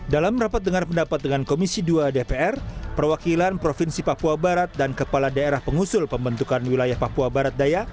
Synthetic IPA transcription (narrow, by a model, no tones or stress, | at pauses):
dalamrapat̪̚dəŋarpəndapat̪̚dəŋankomisiduadepeɛrpərwakilanpɾofinsipapuabaɾat̪̚dankəpaladaeɾahpəŋusʊlpəmbənt̪ukanwilajahpapuabaɾat̪̚daja